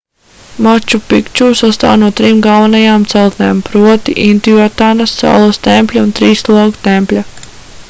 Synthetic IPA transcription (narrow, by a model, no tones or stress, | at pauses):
mat͡ʃupikt͡ʃuːsast̪a̰ːwnuɔt̪ɾimɡalˠʋanajaːmt̪sɛlˠt̪neːmpɾuɔt̪iʔint̪ijɔt̪aːnɐssa̰ːlˠɐst̪empʲlʲaunt̪ɾiːst̪ulˠaɡut̪ɛmpʲlʲa